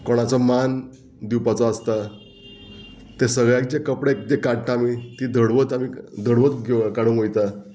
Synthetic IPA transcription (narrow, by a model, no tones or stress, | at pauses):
koɽ̃at͡sɔman | d̪iwpat͡sɔəst̪a | t̪esəɡɭjãkd͡ʑekəpɽekd̪ekaɽʈ̪aamit̪id̪ʱəɽʋət̪amid̪ʱəɽʋət̪ɡekaɽũnɦojt̪a